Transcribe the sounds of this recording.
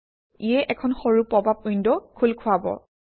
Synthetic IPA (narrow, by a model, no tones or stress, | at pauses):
ijɛʔɛkʰɔnxɔɹupːɔbʱap̚ujndɔkʰulkʰʊabɔ̰